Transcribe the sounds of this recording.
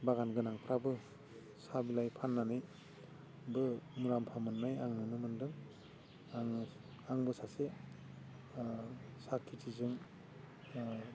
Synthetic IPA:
baɣanɡɯnaŋpʰɾabɯ | sabilajpʰanːanɯj | bɯmuɾampʰamɯnːajaŋnɯnɯmɯndɯŋ | aŋɯ | aŋbɯsase | sakʰːitʰizɯŋ

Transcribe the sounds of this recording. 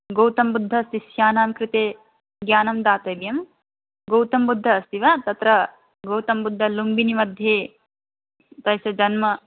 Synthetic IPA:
ɡowt̪ɐmbud̪ʱːɐːst̪isjaːnaːmkɾɪt̪eː | ɡjaːnɐmd̪aːt̪ɐjbjɐm | ɡowt̪ɐmbud̪ʱːɐːst̪iʋɐt̪ɐt̪ɾɐ | ɡowt̪ɐmbud̪ʱːɐlumbinimɐd̪ʱjeː | t̪ɐjsɐd͡ʒɐnmɐ

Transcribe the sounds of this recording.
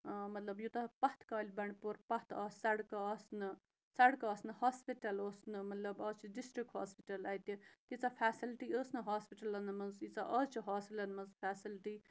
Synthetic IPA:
mɐt̪lɐbjut̪ɐpɐht̪ʰkaːlʲbɐɳɖpuɾpɐht̪ʰɐːsɐɽkɐɐːsnɨ | sɐɽkɐɐːsnɨhaːspiʈɐloːsnɨmɐt̪lɐbɐːt͡ʃʰiɖisʈɾik̚ha̰ːspiʈɐlɐːjt̪ʲit̪ʲit͡safʰaːsilʈiəːsnɨɦaːspiʈɐlɐnmɐnzit͡saʔɐːst͡ʃʰiɦaːsilɐnmɐzfʰaːsilʈi

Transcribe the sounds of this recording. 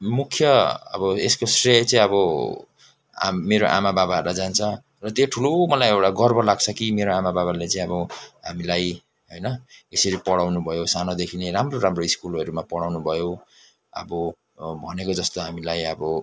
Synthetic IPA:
mukʰjʌʌ̰bʌeskosret͡saĩʌbʌ | a̰meɾoʔa̰mababarad͡zant͡sʰʌ̃ | rʌt̪joʈʰulomʌlajewʈaɡʌrbʌlaɡ̚t͡sʰʌkimeɾoamababalet͡saĩʌbʌɦamilaj | ɦojnʌesʌɾipʌɽawnubʱʌjosanod̪ekʰineramroramroiskulʌɾumapʌɽawnubʱʌjo | ʌ̰bʌ | bʱʌnekod͡zʌst̪oɦamilajʌbʌ

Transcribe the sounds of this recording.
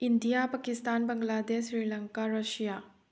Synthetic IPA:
indijapɐkistanbɐŋladesɾilɐŋkaɾɐsija

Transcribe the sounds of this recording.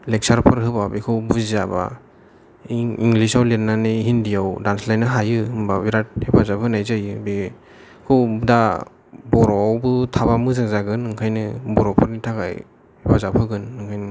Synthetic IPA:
lek̚saɾpʰɯɾɦɯbabekʰɯwbuzizaba̰ | iŋɡlisawlenːaneɦindijawdanslajnɯɦajɯɯmbabiɾat̚hepʰazapʰɯnajzajɯbe | kʰɯwda | bɔɾɔwbɯtʰabamɯzaŋzaɡɯnːɯŋkʰajnɯbɔɾɔwpʰɯɾnitʰaɡa̰j | hepʰazapʰɯɡɯnːɯŋkʰajnɯ

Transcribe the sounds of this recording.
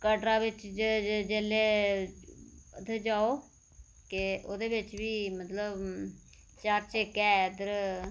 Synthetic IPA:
kəɖɾaːʋɪt͡ʃd͡ʒeːleː | ət̪ed͡ʒaːoː | kɪoːd̪eːbɪt͡ʃʋiːmət̪ləb | t͡ʃaɾt͡ʃeːkɛːd̪ɾ

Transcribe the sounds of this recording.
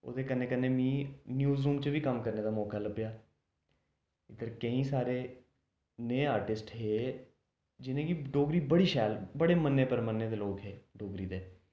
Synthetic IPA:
o̰ːd̪eːkənːẽːkənːeːmĩːnjuːzuːmt͡ʃəʋiːkəmkəɾneːd̪aːmɔːkaːləbjaː | ɪd̪əɾkəĩːsaːɾeː | neːaːɾʈɪsʈɦeː | d͡ʒɪnẽːɡiɖoːɡɾiːbəɽiːʃɛːlbəɽeːmənːeːpəɾmənːeːd̪eːloːkɦeːɖoːɡɾiːd̪eː

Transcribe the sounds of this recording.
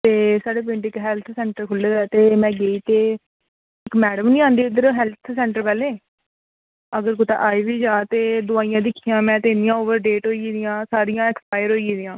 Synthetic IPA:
t̪eːsaːɖeːp̬ɪ̃ɳʈɪkɦɛːlt̪ʰsɛ̃ːɳʈəɾkʰʊlːeːd̪ɛːt̪eːmɛ̃ːɡeːiːt̪eː | ɪkmɛːɽəmnĩːãːnd̪iːɪd̪əɾoɦɛːlt̪ʰsɛ̃ːɳʈəɾpɛːleː | əɡəɾɡʊt̪ã̰ːʔaːiːʋiːd͡ʒaːt̪eːd̪ʊaːijãːd̪ɪkʰːijãːmɛ̃ːt̪eːnijãːoːʋəɾɖeːʈɦoːiiːd̪ɪjãːsaːɾɪjãːɛkspaːjəɾɦoːiːd̪ɪjãː

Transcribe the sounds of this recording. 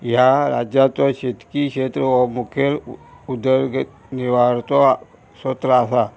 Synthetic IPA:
jaɾa̰d͡ʑjat͡sɔɕet̪kikɕet̪ɾəʋɔmukʰjəɾud̪əɾɡ | niʋaɾt̪ɔ | sot̪ɾəasa

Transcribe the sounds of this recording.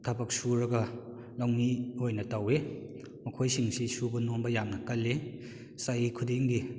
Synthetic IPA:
tʰɐbɐk̚suɾɐɡɐ | lawmiojnɐtɐwe | mɐkʰojsiŋsisubɐnombɐjamnɐkɐlːe | sajikʰudeŋɡi

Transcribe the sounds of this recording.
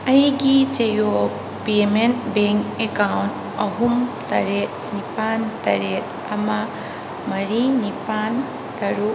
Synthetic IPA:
ɐjɡit͡ʃejo | pement̚beŋkekawnt | ɐɦumtɐɾet̪̚nipantɐɾet̪̚ | ɐma | mɐɾinipan | tɐɾu

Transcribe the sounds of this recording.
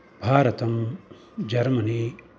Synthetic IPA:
bʱaːɾɐt̪ɐm | d͡ʒɐɾmɐniː

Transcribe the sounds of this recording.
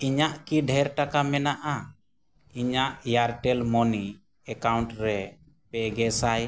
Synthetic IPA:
iɲaʔkiɖʱɛɾʈakamɛnaʔa | iɲaʔjaɾʈɛlmɔni | ɛkawɳʈɾɛ | pɛɡɛsaj

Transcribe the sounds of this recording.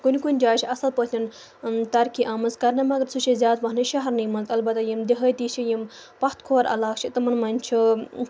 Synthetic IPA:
kunʲikunʲd͡ʒaːt͡ʃʰiɐsɐlpət̪ʰʲɐn | t̪ɐɾkʰiʔɐmɐzkɐɾnɐmɐɡɐɾsuʃʰizʲjaːt̪ʋɐɦnɨʃɐɦɐɾnimɐnzɐlbɐt̪ɐjimd̪iɦəjt̪iːt͡ʃʰijimpɐxt̪kʰoːɾʔɐ̰laːkt͡ʃʰit̪ɐmɐnmɐnʲt͡ʃʰi

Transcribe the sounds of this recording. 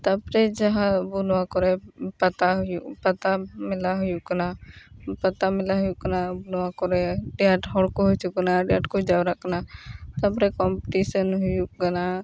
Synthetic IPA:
t̪əpɾed͡ʒəɦãbʊnwakɔɾɛpət̪aɦjupət̪amɪlaɦʊjuknapət̪amɪlaɦʊjukənabʊnwakɔɾeɖjaʈɦɔɽkoɦʊt͡ʃʊknaɖaʈkod͡ʒawɾəknat̪əpɾekɔmpɪʈisənɦʊjuɡəna

